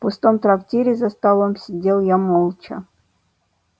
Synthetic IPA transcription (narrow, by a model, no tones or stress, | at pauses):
pʊst̪omt̪ɾɐktʲeɾʲɪzəst̪alˠomsʲɪdʲelˠjamolˠt͡ɕə̰